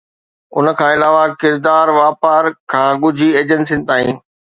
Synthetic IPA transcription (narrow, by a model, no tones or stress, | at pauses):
ʊ̰nə̆kʰãːɪlaːʋakɪɾd̪aːɾʋaːpaːɾkʰãːɡʊd͡ʑʱieːd͡ʑənsin̆t̪aːĩː